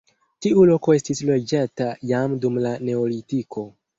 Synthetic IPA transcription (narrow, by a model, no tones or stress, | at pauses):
tiulo̞koe̞stislo̞d͡ʒatajamdumlane̞olitikʰo̞